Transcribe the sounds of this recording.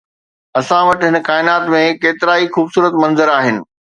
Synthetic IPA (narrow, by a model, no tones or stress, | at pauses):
ɐsãʋɐʈɦɪnkaːɪnaːt̪mẽkeːt̪ɪɾaːixuːbsuːɾət̪mɐ̃nzəɾaːɦɪnɪ̆